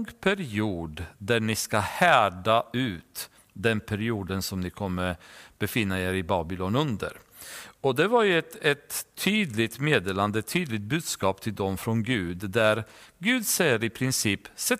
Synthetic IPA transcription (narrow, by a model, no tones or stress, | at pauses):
ɡpʰæɾɪuːd̪d̪æɳɪskahæːɖaʉ̟ːt̪ | d̪ɛnpʰæɾɪuːd̪ənsɔmnɪkʰɔmːəɾb̥ɛfɪnːaeɾɪbɑːbɪlɔnɵnd̪ə̰ɾ | ɔd̪ɛvaɾjɵɛt̪ɛt̪ʰːyːd̪lɪt̪meːd̪eːland̪əɛt̪ʰːyːd̪lɪɡ̚t̪̚bʉ̟ːd̪skɑːpt̪ʰɪld̪ɔmfɾɔnɡʉ̟ːd̪d̪æɾɡʉ̟ːd̪sɛjːəɾɪpʰɾɪnsiːpsɛ